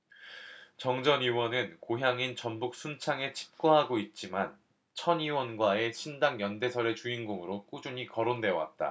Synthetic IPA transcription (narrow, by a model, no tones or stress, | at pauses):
t͡ɕʌŋd͡ʑʌniwʌnɯnkoɦjaŋint͡ɕʌnbuk̚s͈ʰumt͡ɕʰaŋe̞t͡ɕʰi̥p̚k͈oɦaɡoit̚t͡ɕ͈iman | t͡ɕʰʌɲiwʌnɡwae̞ɕʰindaŋjʌnde̞sʰʌɾet͡ɕuinɡoŋɯɾok͈ud͡ʑuɲikʌɾonde̞ʌwa̰t̚t͈a̰